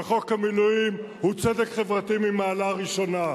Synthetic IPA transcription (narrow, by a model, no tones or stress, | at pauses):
χo̞khamilujim | hut͡sedekχe̞vʁat̪imimaːlaʁiʃo̞na